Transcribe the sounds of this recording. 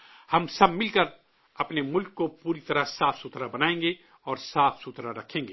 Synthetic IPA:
hɐmsɐbmɪlkɐɾ | ɐpnemʊlkːopuːɾit̪ɐɾəsaːfsut̪ɾabɐnaːẽːŋ̆ɡe | ɔːɾsaːfsut̪ɾaɾɐkʰẽːŋɡeː

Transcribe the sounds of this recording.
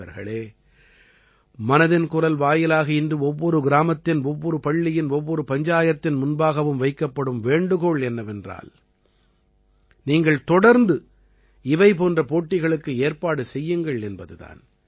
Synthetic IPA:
ɐ̰ɾɣɐ̰ɭeː | mɐnɐðɪnkʊrɐlʋaːjɪlaːɣɐɪndrɯɔʋːɔɾɯɡɪɾaːmɐt̪ːɪnɔʋːɔɾɯpɐɭːɪjɪnɔʋːɔɾɯpɐɲd͡ʒaːjɐt̪ːɪnmʊnbaːɣɐʋɯmʋɐɪkːɐpːɐɽɯmʋeːɳɖɯɣoɭɛnːɐʋɛndra̰ːl | niːŋɡɐɭt̪ɔɽɐɾnd̪ɯ | ɪʋɐɪp̬oːndrɐpoːʈːɪɣɐɭɯkːɯeːɾpaːɽɯsɛjːɯŋɡɐɭɛnbɐðɯða̰ːn

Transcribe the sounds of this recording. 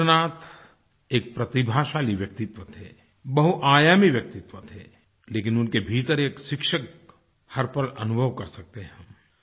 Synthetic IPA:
naːt̪ | eːk̚pɾɐt̪ibʱaːʃaːliʋjɐk̚t̪ɪt̪ʋət̪ʰɛː | bɐɦuʔaːjaːmiʋjɐk̚t̪ɪt̪ʋət̪ʰɛː | leːkɪnʊnkebʱiːt̪əɾeːkʃɪkʃək̚ | hɐɾpəlɐ̰nʊbʱəʋkɐɾsɐk̚t̪eɦɛ̃

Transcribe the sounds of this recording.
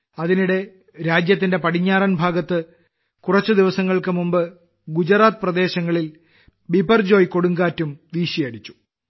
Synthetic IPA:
ɐðiniɽe̞ | ɾaːd͡ʑjɐt̪̬ːinde̞pɐɽiɲːaːrɐnbʱaːɡɐt̪ːɨ | kurɐt͡ɕːɨd̪iʋɐsɐŋːɐɭkɨmumbɨ | ɡud͡ʑɐraːt̪ɨprɐd̪e̞ːɕɐŋːɐɭil | bibɐrd͡ʑo̞ːjko̞ɽuŋɡaːtːumd̪iːɕijɐɽit͡ɕːu̥

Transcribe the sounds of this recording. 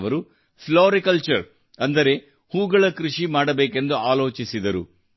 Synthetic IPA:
ʋɐɾu | floːɾikɐlt͡ʃɐɾ | ɐnd̪ɐɾe̞ | huːɡɐɭɐkɾuʂimaːɽɐbeːke̞nd̪uaːlo̞ːt͡ʃisid̪ɐɾṵ

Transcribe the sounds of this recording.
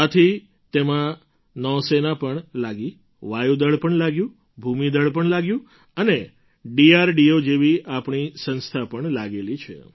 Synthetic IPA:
at̪ʰi | t̪emã | nɔsenapəɳlaɡi | ʋajud̪əɭpəɳlaɡjũ | bʱumid̪əɭp̬əɳlaɡjũ | əne | ɖiaɾɖiod͡ʒeʋiapɳisə̃nst̪ʰapəɳlaɡelit͡ʃʰḛ

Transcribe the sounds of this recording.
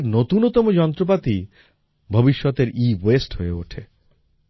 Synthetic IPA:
ɾnot̪unot̪ɔmod͡ʑɔnt̪ɾop̬at̪i | bʱobiʃːɔt̪eɾiwesʈhoeoʈʰe

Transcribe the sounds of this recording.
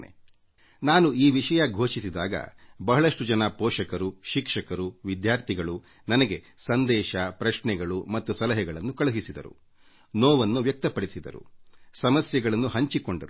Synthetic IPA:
nḛ | naːnuiːʋiʂɐjɐɡʱoːʃisid̪aːɡɐ̰bɐɦɐɭɐʂʈud͡ʒɐnaːpɔːʂɐkɐɾuʃikʂɐkɐɾuʋid̪jaːɾt̪ʰiɡɐɭu | nɐnɐɡe̞sɐnd̪ɛːʃɐpɾɐʃɳɛɡɐɭumɐt̪ːusɐlɐɦɛɡɐɭɐnːukɐɭuɦisid̪ɐ̰ɾṵ | noːʋɐnːuʋjɐk̚t̪ɐpɐɽisid̪ɐɾṵsɐmɐsjɐɡɐɭɐnːuɦɐɲt͡ʃiko̞ɳɖɐɾu

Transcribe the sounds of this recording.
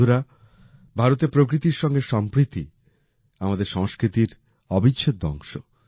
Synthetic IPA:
uɾa | bʱaɾot̪epɾok̬ɾit̪iɾʃɔŋɡeʃɔmpɾit̪i | amad̪eɾʃɔŋskɾit̪iɾ | ɔbit͡ɕːɕʰet̪̚d̪ɔ̰ŋʃo

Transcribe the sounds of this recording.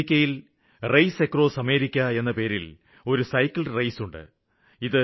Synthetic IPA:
kʲːɐjil | rɐjsekːro̞ːsɐme̞ːɾikʲːɐe̞nːɐpe̞ːɾḭl | o̞ɾusɐjkːilrɐjsuɳɖɨ̰ | iðɨ

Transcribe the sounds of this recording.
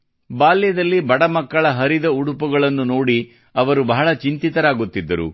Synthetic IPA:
baːljɐd̪ɐlːibɐɽɐmɐkːɐɭɐɦɐɾid̪ɐuɽupuɡɐɭɐnːuno̞ːɽi | ɐʋɐɾubɐɦɐɭɐt͡ʃint̪it̪ɐɾaːɡut̪ːid̪ːɐɾṵ

